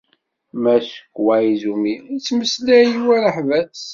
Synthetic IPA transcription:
mæʃə̥kːwaizumiit͡sːməslæjiwæɾəħvæθs

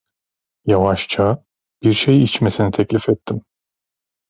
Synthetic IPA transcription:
javaʃt͡ʃʰa | b̥iɾʃejit͡ʃme̞sinit̪ʰɛclʲifɛt̪ʰːim

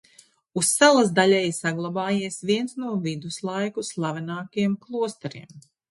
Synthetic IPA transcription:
usːalˠazd̪aʎʲɛjsaɡlˠabaːjiɛsviɛnsnuɔvid̪uslˠajkuslˠavɛnaːkajɛmklˠuɔst̪ɛɾiɛm

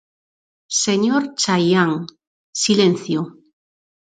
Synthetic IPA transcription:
seɲoɾt͡ʃajaŋ | silẽn̟θjo

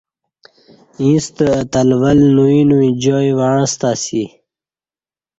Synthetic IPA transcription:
ĩːst̪əət̪əlvəlnuinuwĩd͡ʑɔːjwaɻ̃st̪asi

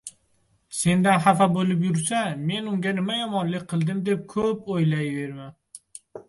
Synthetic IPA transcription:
se̞nd̪anhafabolɪp̬jʊɾsame̞nʊŋɡʲanɪmajɒmɒnlɪk̚ʲqʰɨlˠd̪ɪmd̪e̞p̚kʰɵpojlajve̞ɾman

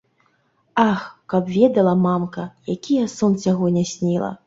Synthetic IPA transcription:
axkɐpvʲɛd̪ɐlˠɐmamkɐjakʲijɐsɔnt͡sʲaɣɔnʲasʲnʲilˠɐ̰

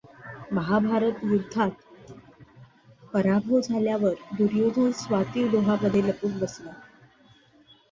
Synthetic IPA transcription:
məɦabʱaɾət̪jud̪ʱːat̪ | pəɾabʱod͡zʱaljaʋəɾd̪uɾjod̪ʱoːnsʋat̪iːʋd̪oɦapəd̪ʱːeləpuːkbəsla

